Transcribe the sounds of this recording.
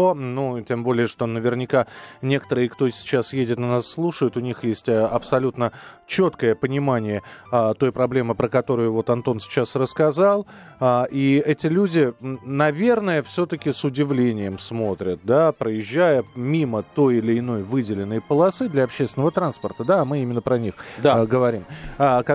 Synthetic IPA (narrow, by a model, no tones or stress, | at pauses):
nutʲe̞mbo̞lʲɪjəʂt̪o̞nəvʲɪrnʲɪkanʲe̞kə̥t̪əɾɨjəkt̪o̞sʲɪ̥t͡ɕasjedʲɪt̪nɪnasːlˠuʂəjʊt̪ʊnʲixjesʲtʲəɐpsɐlʲut̪nət͡ɕo̞t̪kəjəpənʲɪmanʲɪjəat̪o̞jpɾɐblʲe̞mɨpɾəkɐt̪o̞ɾʊjʊvo̞t̪ɐnt̪o̞nsʲɪ̥t͡ɕasrəskɐzalˠ | aʔiɛtʲɪlʲudʲɪnɐvʲe̞rnəjəfsʲo̞t̪əkʲɪsʊdʲɪvlʲenʲɪjəmsmo̞t̪ɾʲət̪̚d̪apɾəjɪʑːæjəmʲimət̪o̞jɪlʲɪɪno̞jvɨdʲɪlʲɪnːəjpəlˠɐsɨd̪lʲɐɐpɕːest̪ʲɪnəvət̪ɾanspərt̪əd̪aːmɨimʲɪnːəpɾənʲixd̪aɡəvɐɾʲimk